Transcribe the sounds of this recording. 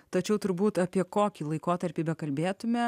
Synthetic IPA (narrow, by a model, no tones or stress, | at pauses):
t̪ɐt͡ʃʲɛʊt̪ʊɾbuːt̪ɐpʲiɛkoːkʲiːlˠɐɪkoːt̪ɐɾʲpʲiːbʲɛkɐlʲbʲeːt̪ʊmʲɛ